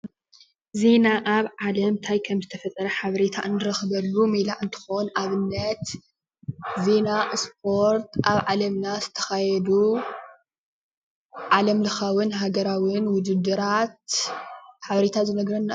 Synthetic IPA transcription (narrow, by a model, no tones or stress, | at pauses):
ze̞naʔaβʕalɐmt̪ʰajkʰɐmzɨt̪ʰɐfɐt̪ʼːɐɾɐħaβɐɾet̪ʰaʔɨnːɨɾɐxβɐlːumilaʔɨnt̪ʰɨ̥xonaβɨnːɐt̪ | ze̞nasp̚ʰo̞ɾt̪aβʕalɐmnazɨt̪ʰɐ̥xajɛd̪u | ʕalɐmlɨxawɨnɦaɡɐɾawɨnwʊd͡ʒ̪ɨd̪ɨɾat̪̚ | ħaβɐɾe̞t̪ʰazɨnɐɡɾɐnːa